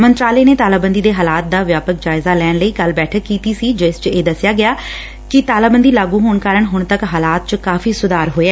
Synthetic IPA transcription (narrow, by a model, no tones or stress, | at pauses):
mənt̪ɾaːleːneːt̪aːlaːbənd̪iːd̪eːɦaːlaːt̪̚d̪aːʋjaːpək̚d͡ʒaːɪzaːlɛːnləiːkəlbɛːʈʰəkːiːt̪iːsiːd͡ʒɪst͡ʃeːd̪əsɪjaːɡɪjaː | kɪt̪aːlaːbənd̪iːlaːɡũːɦoːɳkaːɾəɳɦʊɳt̪əkɦaːlaːt̪̚t͡ʃkaːfʰiːsʊd̪aːɾɦoːeaɛː